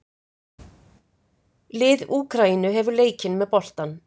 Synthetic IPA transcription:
lɪːðuːkɾainʏɦɛvʏɾleːjcɪnmɛðpɔl̥t̪an

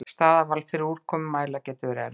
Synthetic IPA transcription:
st̪aːðavalfɪɾɪɾuːɾ̥kkʰɔːmʏmːaːjlacɛːt̪ʏvɛɾɛ̰ɾ

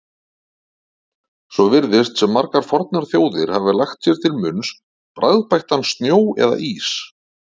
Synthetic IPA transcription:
sɔvɪɾðɪst̪sɛmːaɾkaɾ̥fɔɾt̪̚naɾ̥θjoːwðɪɾ̥havɪlaxt̪sjɛɾ̥t̪ʰɪlmʏns | pɾajðpajht̪anst̪njoːwɛ̰ða̰ʔiːs

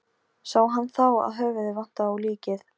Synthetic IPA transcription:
saːwɦanːθawa̰ðɦœːvɪðɪvan̥t̪aawliːcɪθ

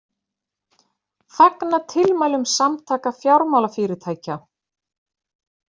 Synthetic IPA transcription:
faknat̪ʰɪlmaːjlʏmsamt̪ʰaːkafjawɾmaːwlafɪːɾɪ̥t̪ʰaːjca

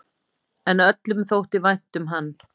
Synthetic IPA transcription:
ɛnœt̪lʏmθowht̪ɪvajn̥t̪ʏmɦanː

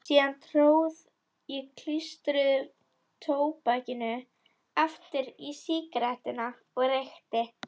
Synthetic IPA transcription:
siːðant̪ʰɾoːwð | ikʰl̥ist̪ɾʏð | t̪ʰoːwpaːcɪnʏ | aft̪ɪɾisiːkɾaht̪ɪna | ɔɣrejxt̪ɪ

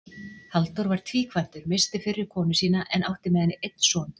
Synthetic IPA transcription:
halt̪ɔɾvaɾ̥t̪ʰviːkʰvajn̥t̪ʏɾmɪst̪ɪfɪɾːɪɾ̥kʰɔːnʏsiːnaʔɛnʔawht̪ɪmɛːðɪnːɪʔejt̪n̥sɔn

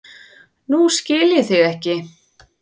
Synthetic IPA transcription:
nuscɪːlɪθɪɣɛhcɪ

